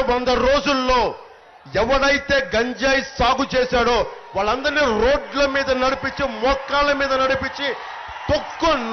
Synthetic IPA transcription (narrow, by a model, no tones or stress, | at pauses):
ʋɐnd̪ɐɾo̞ːd͡ʒulːo̞ː | ɛʋɐɽɐjit̪e̞ːɡɐɲd͡ʒaːjisaːɡut͡ʃeːsaːɽoː | ʋaːɭːɐnd̪ɐɾniːɾo̞ːɖlɐmiːd̪ɐnɐɽipit͡ʃːimɔːkːaːlɐmiːd̪ɐnɐɽipit͡ʃːi | t̪okːun